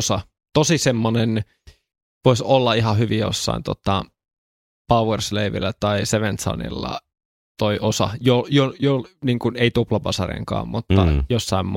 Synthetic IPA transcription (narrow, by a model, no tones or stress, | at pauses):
sɑ | t̪osisemːonen | ʋoisolːɑiɦɑhyʋijo̰sːɑ̰int̪ot̪ɑ | pɑuwersleiʋḭlːæt̪ɑiseʋent̪sɑ̰nḭlːɑ̰ | t̪oiʔosɑ̰jojojoniːŋkuneit̪uplɑbɑsɑrḛŋkɑ̰ːmmut̪ːɑ̰josːɑimm